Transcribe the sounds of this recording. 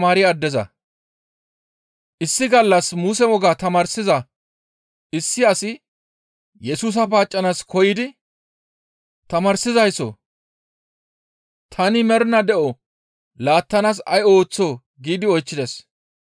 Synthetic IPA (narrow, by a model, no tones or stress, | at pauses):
maːɾɪɐd̪ːɛzɐ̰ | ʔɪsːɪɡɐlːɐsmuːs̬ɛwɔɡaːt̪ɐmɐːɾsɪzɐ | ʔɪsːɪɐsɪ | jɛsuːs̬ɐpaːt͡ʃʼːɐnaskʰɔjɪd̪ɪ | t̪ɐmɐɾsɪzɐjsɔ̰ | t̪ʰɐnɪmɛɾnɐd̪ɛʔɔ | laːt̪ːɐnas̬ɐ̰jo̞ːt͡sːoː | ɡiːd̪ɪɔjt͡ʃːɪd̪ɛs